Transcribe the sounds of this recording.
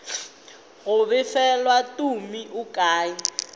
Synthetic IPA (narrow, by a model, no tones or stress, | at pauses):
ɣʊβɪfɛlwatumiʔukaːji